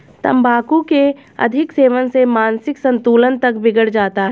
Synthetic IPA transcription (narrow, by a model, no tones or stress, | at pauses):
t̪ɐ̰mbaːkũke | ɐ̰d̪ʱɪkseːʋənsemaːnsɪksə̃nt̪uːlənt̪ɐkbɪɡəɽd͡ʒaːt̪aɦɛ